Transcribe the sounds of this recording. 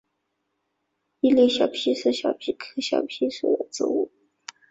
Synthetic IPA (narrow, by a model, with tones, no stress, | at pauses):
i˥˧li˥˧ɪɕjɑ˨˩ʊpʰi˥ʂɻ̩˥˩ɕjɑ˨˩ʊpʰi˥kʰɤ˥ɕjɑ̰˨˩ʊpʰi˥ʂṵ˨˩d̪ə˧˩t͡sɹ̩̰˥˧ṵ˥˩